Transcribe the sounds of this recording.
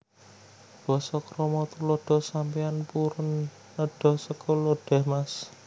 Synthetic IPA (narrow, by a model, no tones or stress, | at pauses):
b̥ɔsɔkɾɔmɔt̪uloɖ̥ɔ̤sampianpuɾʊnː | əɖ̥ɔ̤hsəkʰɔloɖ̥ɛ̤hmas